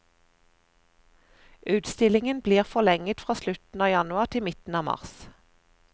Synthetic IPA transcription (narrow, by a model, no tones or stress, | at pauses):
ʔʉːt̪st̪ɪlɪŋənbliːʁfɔlɛŋət̪fʁɑːslʉt̪n̩ɑːjɑnʉɑʁt̪ʰɪmɪt̪n̩ɑːmɑ̰ʁs